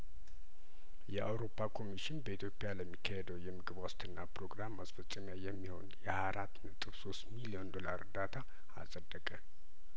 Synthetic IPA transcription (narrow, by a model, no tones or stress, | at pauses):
jɛʔawɾo̞pʰːakʰo̞miʃɪnbəit̪jo̞pʼjaləmːikʰːəhed̪əwjɛmɨɡɨβwast̪ʰɨnːapɾo̞ɡɾamːasfəsʼːɨmjajɛmːiho̞̰njɛhajaɾʔat̪ːnət̪ʼɨβso̞st̪milio̞nd̪o̞laɾɨ̰rd̪at̪ʰa | a̰sʼəd̪ːəkʼə